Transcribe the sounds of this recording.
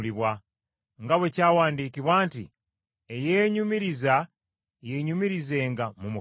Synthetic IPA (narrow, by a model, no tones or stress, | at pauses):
liβwa | ŋɡawe̞caːwaːndiːkiβwaːntḭ | ejeːɲumiɾiza | jeɲumiɾize̞ːŋɡamumu